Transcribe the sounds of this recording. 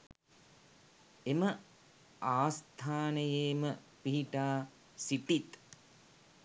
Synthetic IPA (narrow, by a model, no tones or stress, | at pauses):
emə | aːst̪ʰaːnəjeːmə | piɦiʈaː | siʈit̪